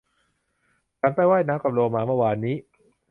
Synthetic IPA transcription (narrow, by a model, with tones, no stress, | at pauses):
t͡ɕʰa˦˥npa˧˩jwaː˥˩jnaː˦˥mkaː˨˩p̚loː˧maː˧mɯ˥˩˨waː˧nːiː˦˥ʔ